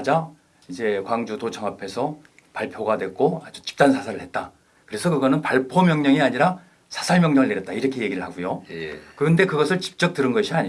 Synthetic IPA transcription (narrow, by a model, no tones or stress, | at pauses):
ad͡ʑa | id͡ʑe̞kwaŋd͡ʑudot͡ɕʰʌŋapʰe̞sʰʌ | paɭpʰjoɡadwe̞k͈oad͡ʑut͡ɕi̥p̚t͈ansʰasʰaɾɯɭhe̞t̚t͈a | kɯɾe̞sʰʌkɯɡʌnɯnpaɭpʰomjʌŋɲʌŋiaɲiɾa | sʰḁsʰaɭmjʌŋɲʌŋɯɭːe̞ɾjʌt͈aiɾʌkʰe̞je̞ɡiɾɯɭhaɡujokɯɾʌnde̞kɯɡʌsʰɯɭt͡ɕi̥p̚t͡ɕ͈ʌk̚tɯɾɯnɡʌɕʰiaɲ